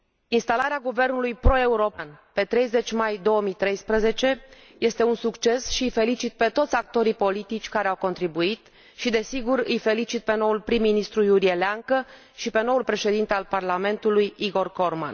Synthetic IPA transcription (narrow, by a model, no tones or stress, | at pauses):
inst̪alaɾeaɡuve̞rnulujpɾo̞e̞uɾo̞panpe̞t̪ɾe̞jze̞t͡ʃʲmajd̪o̞wəmijt̪ɾe̞jspɾəze̞t͡ʃe̞ | je̞st̪e̞unsukt͡ʃe̞sʃiɨjfe̞lit͡ʃit̪̚pe̞t̪o̞t̪sʲak̚t̪o̞ɾipo̞lit̪it͡ʃʲkaɾeawko̞nt̪ɾibuit̪ | ʃid̪e̞siɡuɾɨjfe̞lit͡ʃit̪̚pe̞no̞ulpɾimːinist̪ɾujuɾie̞leaŋkə | ʃipe̞no̞ulpɾe̞ʃe̞d̪int̪ealparlame̞nt̪ulujiɡo̞rko̞rma̰n